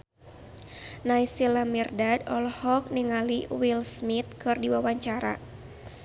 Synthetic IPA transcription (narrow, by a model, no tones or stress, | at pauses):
naisilamirdadɔlhɔk̚niŋaliwilsmit̪̚kɨrdiwawaɲt͡ʃaɾa̰